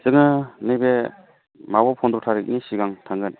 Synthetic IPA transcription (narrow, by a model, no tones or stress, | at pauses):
z̥ɯŋɯnɯbe | mabɔpʰɔnd̪ɔtʰaɾɯk̚nisiɡaŋtʰaŋɡɯn